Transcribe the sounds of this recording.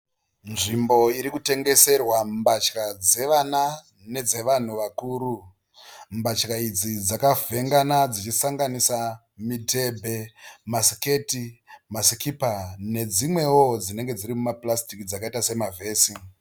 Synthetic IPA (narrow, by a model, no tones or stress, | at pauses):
nʐimbo̞iɾikute̞ŋɡe̞se̞rwambat͡ʃkad͡ze̞ʋana | ne̞d͡ze̞ʋan̤uʋakuːɾu | mbat͡ʃkaid͡zid͡zakavʱe̞ŋɡanad͡zit͡ʃisaŋɡanisa | mite̞bʱe̞masike̞timasikipane̞d͡zimwe̞wo̞d͡zine̞ŋɡe̞d͡ziɾimumaplastikid͡zakaitase̞mavʱe̞ːsi